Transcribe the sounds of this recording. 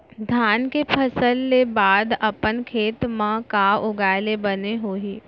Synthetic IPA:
d̪ʱjaːnkepʰəsəlːebaːd̪ɐpənkʰeːt̪mãkaːʊɡaːɪlebɐneɦoːiː

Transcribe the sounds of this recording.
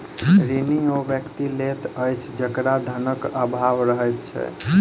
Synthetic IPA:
ɾiniobjəkt̪ilet̪əjt͡ʃʰd͡ʒəkɾad̪ʱənəkəbʱaʋɾəɦəjt̪t͡ʃʰɛ̰

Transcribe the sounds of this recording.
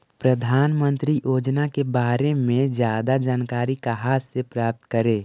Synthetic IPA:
pɾəd̪ʱaːnmə̃nt̪ɾijʔoːd͡ʒnakebaːɾemẽd͡ʒjaːd̪ad͡ʒaːnkaːɾikaɦaːssepɾaːp̚t̪kəɾeː

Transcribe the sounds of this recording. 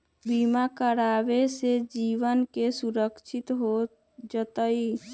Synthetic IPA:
bimakəɾaːʋesed͡ʒiʋənkesuɾəkʃʰɪt̪ɦo | d͡ʒət̪əi

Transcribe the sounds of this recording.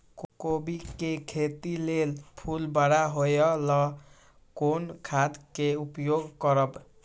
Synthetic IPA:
kobikekʰet̪ilelpʰulbaɽaɦojɔlʌ | konkʰad̪keupjoɡkʌɾʌb

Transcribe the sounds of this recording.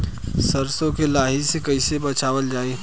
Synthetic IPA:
sɐɾsõkelaːɦisekɐɪsebɐt͡ʃaːʋəld͡ʒaːeː

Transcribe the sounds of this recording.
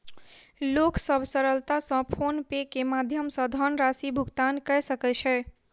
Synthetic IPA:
loksəbʱsəɾəlt̪asə̃pʰonpekemad̪ʱjəmsə̃d̪ʱənɾasibʱuɡt̪ankɛjsəkɛt͡ʃʰɛ

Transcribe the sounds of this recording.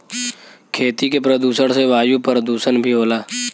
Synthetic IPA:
kʰeːt̪ikepɾəd̪uːsəɽseʋaːjupəɾd̪uːsənbʱiɦoːlaː

